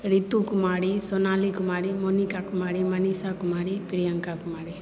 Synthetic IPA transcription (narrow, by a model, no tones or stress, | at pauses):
ɾit̪ːukumaːɽisɔnaːlikumaːɽimonikakumaːɽimɐnisaːkumaːɽipɪɾɪjɐŋkaːkumaːɽi